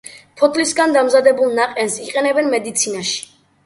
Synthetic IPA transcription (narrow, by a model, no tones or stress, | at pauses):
pʰɔt̪ʰlisɡand̪amzad̪ɛbulˠnaqʼɛnsiqʼɛnɛbɛnmɛd̪it̪sʰinaʃi̥